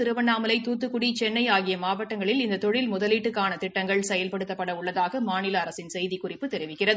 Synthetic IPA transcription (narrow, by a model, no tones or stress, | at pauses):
t̪ɪɾɯʋɐnːaːmɐlɐɪt̪uːt̪ːɯkʊɽit͡ʃɛnːɐɪaːɣɪjɐmaːʋɐʈːɐŋɡɐɭɪlɪnd̪ɐt̪ɔɻɪlmʊðɐliːʈːɯkːaːnɐt̪ɪʈːɐŋɡɐɭsɛjɐlpɐɽɯt̪ːɐpːɐɽɐʊɭːɐðaːɣɐmaːnɪlɐɐɾɐsɪnsɛjðikʊrɪpːɯt̪ɛɾɪʋɪkːɪrɐðɯ